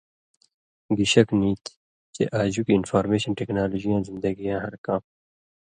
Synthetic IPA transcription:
ɡiɕɐkniːt̪ | t͡ɕḛʔaːd͡ʑukiːnfaːɾmeːɕɐnʈeːknaːloːd͡ʑijãːnzɪ̃nd̪ɐɡijãːɦɐɾkãːm

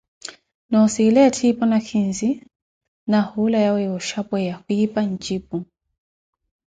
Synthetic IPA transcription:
nɔsiːlɛatʰipɔnakʰinzi | nahulajawɛjɔʃapwɛjakuipan̩t͡ʃip̚u

